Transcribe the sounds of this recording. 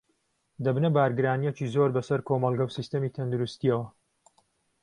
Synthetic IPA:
d̪ɐbnɐbaːɾɡɨɾaːnijɛt͡ʃiːzoːɾbɐsɐɾkʰomɐlˠɡɐwsist̪ɐmiːt̪ʰɐnd̪uɾust̪iɐwɐ

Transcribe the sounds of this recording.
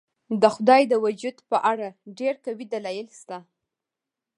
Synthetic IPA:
d̪əxʊd̪ɑjd̪əwʊd͡ʒud̪pəʔaɽaɖeɾkawid̪alɑjɪlst̪a

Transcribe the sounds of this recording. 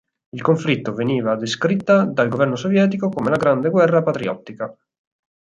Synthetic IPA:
ilkoɱflit̪ːoveniːvad̪eskɾit̪ːad̪alɡovɛrnosovjɛːt̪̬ikokomelaɡɾand̪eɡwɛrːapat̪ɾiɔ̰t̪ːika

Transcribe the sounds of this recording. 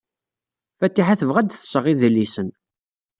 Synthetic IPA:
fæt̪ːiħaθəvʁæd̪θə̥sˤəʁiðəlːisən

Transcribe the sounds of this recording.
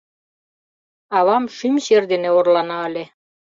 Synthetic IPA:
ɑβɑmʃymɕerd̪eneorlɑnɑːlʲe

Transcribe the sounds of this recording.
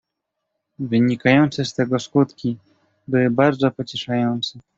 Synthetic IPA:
vɘɲikajɔnt̪sɛst̪ɛɡɔskut̪kʲi | bɘwɘbaɾd̪zɔpɔt͡ɕɛʂajɔnt̪sɛ

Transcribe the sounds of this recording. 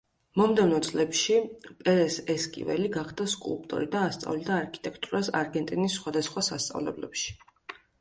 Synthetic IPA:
mɔmd̪ɛvnɔt̪sʼlɛpʃipʼɛɾɛsɛskʼḭvɛliɡaχd̪askʼṵlˠp̚ʼt̪ʼɔ̰ɾid̪aːst̪sʼa̰vlid̪aːɾkʰi̥t̪ʼɛkʰt̪ʼuɾasa̰ɾɡɛnt̪ʼinisːχwad̪asχwasast̪sʼa̰vlɛ̰blɛ̰pʃi̥

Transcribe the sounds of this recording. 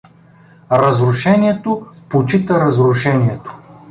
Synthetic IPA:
ɾɐzɾʊʃɛnʲiɛt̪opot͡ʃit̪əɾɐzɾʊʃɛniɛt̪o̥

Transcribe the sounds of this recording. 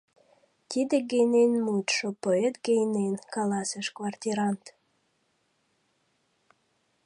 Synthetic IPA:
t̪ʲid̪eɡejnenmut̪ʃopoet̪ɡejnenkɑlɑseʃkvart̪ʲiɾɑnt̪

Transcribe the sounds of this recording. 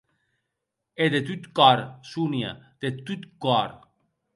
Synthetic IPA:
ed̪et̪yt̪kaɾsunia̰d̪̥et̪yt̪kaɾ

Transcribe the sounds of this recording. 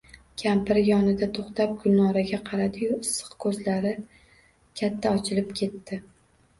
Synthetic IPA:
kʲʰampɪɾɪjɒnɪd̪at̪ʰoχt̪ʰap̚ɡʊlnːɒɾaɡʲaqʰɑɾad̪ɪjʊɪsːɨ̥qkʰɵzlaɾɪ | kʲʰat̪ʰːaɒt͡ʃʰɪlɪpkʲʰe̞t̪ːɪ

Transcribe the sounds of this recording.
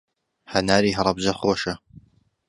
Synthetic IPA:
hɐnaːɾiːɦɑɾˤɑbzɐxoːʃɐ

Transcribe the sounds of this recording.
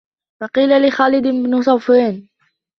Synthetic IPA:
fɑqiːlalɪxaːlɪd̪ɪbnʊsˤɑwfiːn

